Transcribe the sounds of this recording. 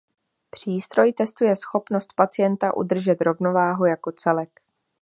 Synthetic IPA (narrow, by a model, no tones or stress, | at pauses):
pr̝̥iːst̪ɾo̞jt̪ɛst̪ujɛsxo̞pno̞st̪̚pat͡sɪjɛnt̪aʔṵd̪r̩ʒɛt̪ɾo̞vno̞vaːɦujako̞t͡sɛlɛk